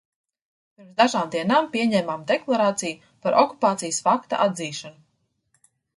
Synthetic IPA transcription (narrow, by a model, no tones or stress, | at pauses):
piɾmzd̪aʒaːmd̪iɛnaːmpiɛɲɛːmaːmd̪eklˠaɾaːt̪siju | paɾʔɔku̥paːt̪sijsfakt̪a̰ʔad̪ziːʃanu